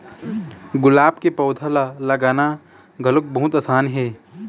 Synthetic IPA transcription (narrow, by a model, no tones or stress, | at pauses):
ɡʊlaːbkepɐːd̪ʰʱallɐɡaːna | ɡʱɐlʊk̚bɐɦʊt̪aːsaːnɦɛː